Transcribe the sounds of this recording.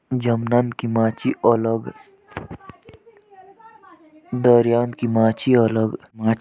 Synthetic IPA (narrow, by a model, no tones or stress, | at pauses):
d͡ʒɐmnankimãːt͡ʃiʔələɡ | d̪əɾijaːnkimãːt͡ʃiələɡmaː